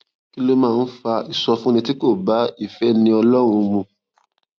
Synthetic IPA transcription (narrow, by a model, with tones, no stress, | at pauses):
ki˦lo˦mãː˦˧n̩˦fa˧i˨sɔ˧fũ˦nĩ˧ti˦ko˦˨ba˨˦i˦˨fɛ˨˦nĩ˧ɔ˧lɔ˦ɾ̃ũ˧mũ˧